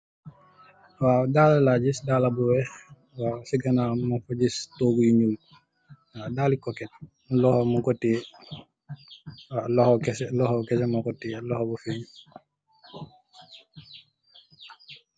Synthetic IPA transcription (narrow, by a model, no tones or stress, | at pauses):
waːdalalaɟisdalabuwɛx | waːsiɡɐnamafuɟistoːɡujiɲuːl | wadaːlikɔkɛt̚ | lɔhomukɔti | walɔhɔkɛsɛlɔhɔkɛsɛmakɔtilɔhobufeɲ